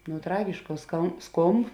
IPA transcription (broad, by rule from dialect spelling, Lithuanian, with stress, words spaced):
nʊ ˈtrɑːɡʲɪʃkɑː skɐ ˈskoːmp